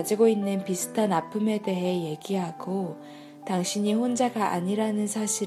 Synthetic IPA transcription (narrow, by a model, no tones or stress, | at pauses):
d͡ʑiɡoinːɯnpisʰɯ̥tʰanapʰɯme̞de̞ɦe̞je̞ɡiɦaɡo | taŋɕʰiɲiɸond͡ʑaɡaʔaɲiɾanɯnsʰaɕʰi